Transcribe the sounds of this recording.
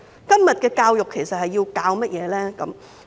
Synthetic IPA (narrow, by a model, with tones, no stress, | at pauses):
kɐ˥mjɐ˨t̚kɛː˧kaː˧wjʊ˨kʰːe˨˩jsɐ˨t̚hɐ˨jːiː˧wkaː˧wmɐ˥t̚jɛː˨˧lɛː˥kɐ˨˦m